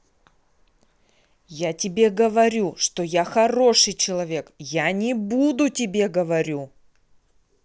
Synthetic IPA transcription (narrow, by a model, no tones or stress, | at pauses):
jatʲɪbʲe̞ɡəvɐɾʲuʂt̪ojaxɐro̞ʂɨjt͡ɕɪlˠɐvʲe̞kjanʲɪbud̪ʊtʲɪbʲe̞ɡəvɐɾʲu